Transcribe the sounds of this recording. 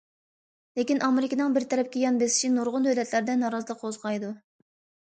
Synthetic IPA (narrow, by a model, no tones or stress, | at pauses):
lekʲinʔɑmeɾɪkʲinɨŋbɪɾt̪ʰɛɾɛp̚kʲɛjɑnbesɪ̥ʃinoɾʁʊnd̪ølɛt̪ʰlæɾd̪ɛnɑːɾɑzɨlˠəqozʁɑjd̪u